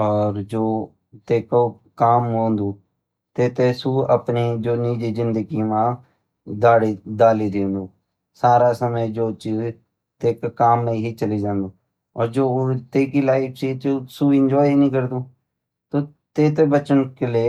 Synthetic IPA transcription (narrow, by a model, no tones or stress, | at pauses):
ɔːɾd͡ʒoː | t̪eːko | kaːmɦõːnd̪uː | t̪eːt̪esuːə̰pniːd͡ʒoːniːd͡ʒiːzɪnd̪əɡiːmãː | d̪aːɽiːd̪aːliːd̪ẽːnd̪uː | saːɾaːsəməd͡ʒoːt͡ʃiːz | t̪eːkkaːmnəĩɦiːt͡ʃəliːd͡ʒãːnd̪uː | ɔːɾd͡ʒoːt̪eːkilaːɪkʰt͡ʃiːt͡ʃsuːɪ̃ɲd͡ʒɔːinĩːk̬əɾd̪uː | t̪oː | t̪eːt̪̬ebət͡ʃənkeleː